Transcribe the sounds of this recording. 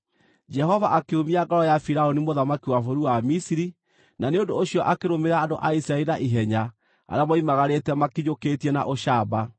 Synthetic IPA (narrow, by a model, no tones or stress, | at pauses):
d͡ʒɛɦɔvaʔakeomiaɡaɾɔjafiɾaonimoðamakiwafoɾuwamisiɾi | naneondoːɕiɔʔakeɾomeɾaːndoʔaisɾaeɾaʔiɦɛɲa | a̰ɾeamɔimaɣaɾetɛmakiɲokeːtiɛna̰ʔoɕaba